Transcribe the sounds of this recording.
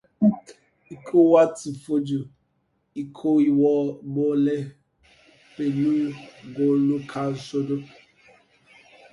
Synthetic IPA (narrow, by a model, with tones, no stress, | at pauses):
i˦kʰo˦wa˦ti˨fo˦d͡ʒu˨ | i˦kʰo˦i˦wɔ˦ɡ͡bo˦le˦ | pe˨nu˦ɡo˨lu˦kʰa˨so˦do˦